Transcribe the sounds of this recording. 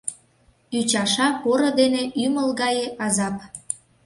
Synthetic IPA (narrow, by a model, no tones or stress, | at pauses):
yt͡ɕɑʃɑpoɾod̪eneʔyməlɣɑjeʔɑzɑp